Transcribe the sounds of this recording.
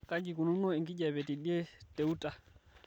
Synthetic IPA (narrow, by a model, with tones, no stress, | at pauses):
ka˦ɡi˨ku˨nu˦nɔ˦i˨ŋɡi˦d͡ʒa˨βɛ˨ti˨ɗe˦tɛ˨u˦ta˨